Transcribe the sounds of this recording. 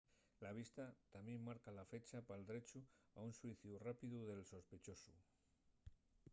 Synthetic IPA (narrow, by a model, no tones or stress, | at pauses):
laβ̞ist̪at̪amje̞mːaɾkalafe̞t͡ʃapald̪ɾe̞t͡ʃuaunswiθjurapiðuðe̞lso̞spe̞t͡ʃo̞su